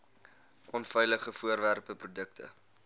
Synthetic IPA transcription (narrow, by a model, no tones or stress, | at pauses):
ʔɔnfɛjləχəfuərværpəprudək̚tʰə̰